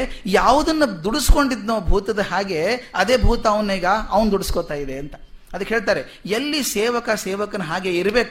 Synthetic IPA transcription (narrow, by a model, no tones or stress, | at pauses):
jaːʋud̪ɐnːud̪uɽusko̞ɳɖid̪noːbʱuːt̪ɐd̪ɐɦaːɡe̞ɐd̪e̞ːbʱuːt̪ɐːʋɐnːeːɡɐɐʋɐnd̪uɽiskot̪aːjid̪eɐnt̪ɐ̥ɐd̪ɐkːeɦe̞ːɭt̪aːɾe̞ | elːiseːʋɐkɐseːʋɐkɐnɐɦaːɡe̞iɾɐbe̞ːku